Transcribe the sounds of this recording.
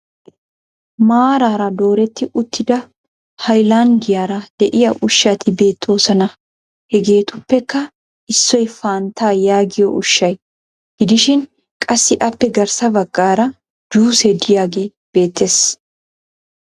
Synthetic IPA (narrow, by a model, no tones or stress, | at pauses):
maːɾaːɾɐd̪o̞ːɾɛt̪ːɪʔʊt̪ːɪd̪ɐ | hɐjlaːŋɡɪjaːɾɐd̪̥ɛʔɪjɐʔʊʃːɐt̪ʰɪbe̞ːt̪ʰːo̞ːsɐnɐ | hɛɡe̞ːt̪ʊpːɛkːɐ | ʔɪsːɔjfaːnt̪aːjaːɡɪjɔʊʃːɐj | ɡ̥ɪd̪ɪʃɪn | kʼɐsːɪʔɐpːɛɡɐɾsɐbɐkʼːaːɾɐ | d͡ʒuːsɛd̪ɪjaːɡe̞ː | b̥e̞ːt̪ːeːs